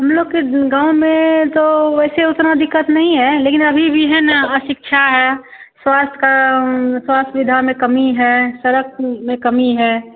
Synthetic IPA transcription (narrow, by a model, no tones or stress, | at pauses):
ɦəmloːɡ̚keɡãːʊ̃mẽt̪oɛːseʊt̪nad̪ɪkːət̪nɐɦĩɦɛleːkɪnəbʱibʱiɦɛnəʃɪkʃʰaɦɛ | swaːst̪ʰkaswaːst̪ʰʋɪd̪ʱamẽkəmiɦɛsəɾək̚ʰmẽkəmiɦɛː